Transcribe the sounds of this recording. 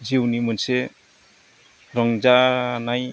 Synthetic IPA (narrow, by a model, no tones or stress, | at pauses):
d͡ʒiwnimɯnse | ɾɔŋd͡ʒanaj